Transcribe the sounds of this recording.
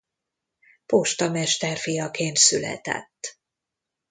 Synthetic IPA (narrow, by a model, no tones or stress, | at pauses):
poʃt̪ɒmɛʃt̪ɛrfijɒkeːnt̪sylɛ̰t̪ɛ̰t̪ː